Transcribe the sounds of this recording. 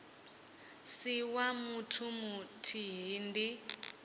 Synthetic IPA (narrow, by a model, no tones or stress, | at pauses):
siwamutʰumutʰiɦiːndi